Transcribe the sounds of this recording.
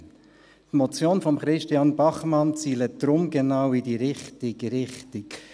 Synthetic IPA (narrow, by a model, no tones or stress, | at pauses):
tmɔt͡sjoːnfɔmχɾɪʃtiɑnbɑχmɑnt͡siːləd̪̥ɾʊmɡenawidiːɾɪχtɪɡɾɪχtɪk